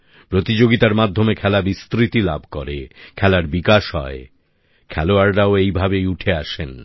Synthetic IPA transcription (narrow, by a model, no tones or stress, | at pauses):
pɾot̪id͡ʑoɡit̪aɾmad̪ʱːomekʰɛlabist̪ɾit̪ila̰bʱkoɾekʰɛlaɾbikaʃɦɔ̰e | kʰɛloaɾɾaoejbʱabejuʈʰeaʃen